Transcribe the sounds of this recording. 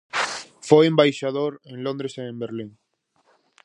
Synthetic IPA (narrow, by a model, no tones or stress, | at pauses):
fojẽmbajʃaðoɾẽŋlond̪ɾesẽːmbeɾliŋ